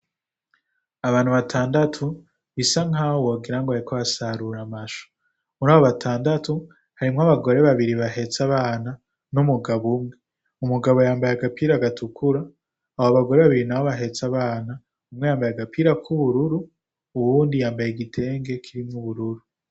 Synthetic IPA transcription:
aβaːnhuβatʰaːndatʰu | βisaŋɦawoːɡiɾaŋɡoaɾikoβasaɾuɾamaʃo̥ | muɾaːβoβatʰaːndatʰu | haɾimŋaβaɡo̞ɾe̞βaβiɾiβaɦe̞t͡saβaːna | numuɡaβumŋe | umuɡaβojaːmbajaɡapiːɾaɡatʰukʰuɾaː | hoβaɡo̞ɾe̞βaβiɾinawoβaɦe̞t͡saβaːna | umŋe̞jaːmbajaɡapʰiɾakʰuβuɾuɾuː | wuːndijaːmbajeɡitʰe̞ːŋɡe̞kʰiɾimŋuβuɾuɾu

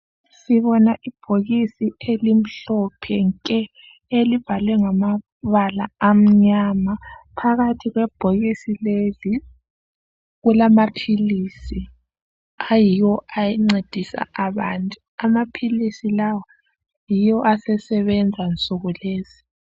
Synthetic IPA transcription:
siβɔnaʔib̥ʱoɣisielim̩ɬɔpʰɛŋkʼɛ | eliv̥ʱalwɛŋama | βalaam̩ɲamapʰaɣatʰiɣwɛb̥ʱoɣisilezi | ɣulamapʰilisi | ajijɔajiŋ͡ǀed̥ʱisa̰ʔaβaːntʼu | amapʰilisilawɔ | jijɔʔasɛsɛβɛnd͡zʱant͡sʼuɣuleːz̥i

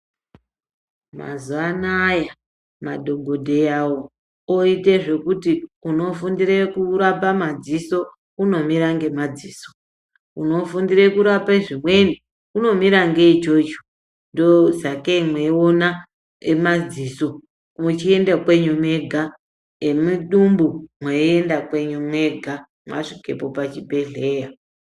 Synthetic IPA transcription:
ma̰zuanaja | maɗʱo̞ɡʱo̞dʱe̞jawo̞ | oite̞ʐe̞kutiuno̞fundiɾekuɾapamad͡ziso̞ | uno̞miɾaŋɡe̞mad͡ziːso̥ | uno̞fundiɾekuɾapeʐimwe̞ni | uno̞miɾaŋɡe̞it͡ʃot͡ʃo̥ | ndozakemweiona | emad͡ziso̞ | mut͡ʃie̞ndakwe̞ɲumwe̞ɡʱa | emiɗumbumweiendakwe̞ɲumwe̞ɡʱa | mwa̰ʂike̞̰popat͡ʃibʱe̞ɮe̞ːja

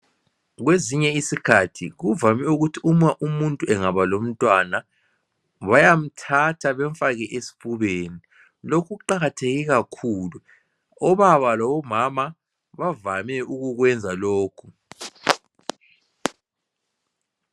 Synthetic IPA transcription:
ɣweziɲɛisikʰatʰiɣuvamɛuɣutʰiumaʔumuntʼuɛŋaβalom̩tʼwana | βajam̩tʰatʰaβɛɱfaɣɛʔesi̥pʰʼuβeːni | lokʰuɣuǃaɣatʰeɣiɣakʰuːlu | ɔβaβalɔβɔmama | βavamɛuɣuɣwɛnd͡zʱaloːkʰu

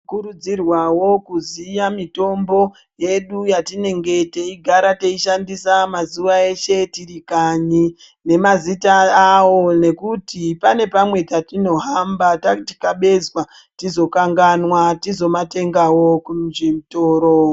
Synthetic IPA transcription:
kuɾud͡zirwawo̞kuzijamito̞mbo̞ | je̞ɗujatine̞ŋɡe̞teiɡʱaɾate̞iʃandisamazuʋae̞ʃe̞tirikaɲi | ne̞mazitaːwo̞ne̞kutipane̞pamwe̞tatino̞ɦambatati̥kaɓe̞zwa | tizo̞kaŋɡanwatizo̞mate̞ŋɡawo̞kumʒimutoːɾo

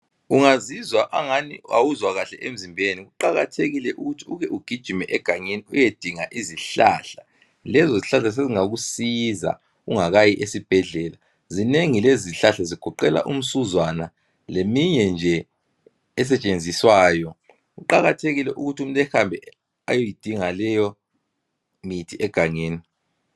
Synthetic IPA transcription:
uŋazizwaʔaŋanḭawuzwaɣaɬɛʔem̩zimbʱeniɣuǃaɣa̰tʰeɣilɛʔuɣutʰiuɣɛʔuɡ̥ʱid̥ʒ̥ʱimɛʔɛɡ̥ʱaɲeniujed̥ʱiŋaʔiziɬa̰ɬḁ | lɛzɔziɬaɬas̬eziŋaɣusiza̰ | ɣuŋaɣajiʔesib̥ʱɛɮɛla | zineŋileziɬaɬaziɡ̥ʰʱɔǃɛla̰ʔum̩suzwana | lemiɲɛnd͡ʒʱɛː | s̬ɛt͡ʃʼend͡zʱiswaːjɔ | ɣuǃaɣatʰeɣilɛʔuɣutʰium̩tʼɛxambʱɛ | a̰jojid̥ʱiŋalɛjɔ | mitʰiʔɛɡ̥ʱaŋeːni

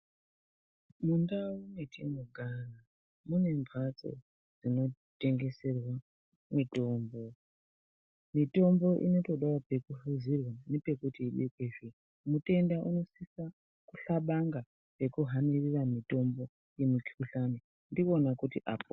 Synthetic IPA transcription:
mundaunetʰimuɡʱana | mune̞ɱbʱat͡so̞̰ | d͡zino̞ | te̞ŋɡe̞se̞rwa | mito̞ːmbo̞ | mito̞mbo̞ʔḭno̞to̞ɗawope̞kuɬuzirwane̞pe̞kutiːɗikweʐi | mute̞ndaʔuno̞sisa | kuɬaɓaŋɡa | pe̞kuɦaniriramito̞mbo̞ | je̞mukuɬane | ndio̞nakutiʔapo

